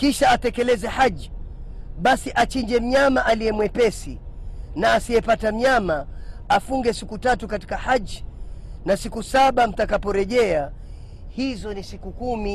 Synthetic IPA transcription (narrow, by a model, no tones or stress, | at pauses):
kiʃaːtɛkɛlɛzɛhaʄi | ɓasiʔat͡ʃind͡ʒɛm̩ɲamaʔalijɛmwɛpɛsinaːsiɛpatam̩ɲamaːfuŋɡɛsikutatukati̥kahaʄinasikusaɓam̩takapɔɾɛʄɛa | hizɔnisikukumi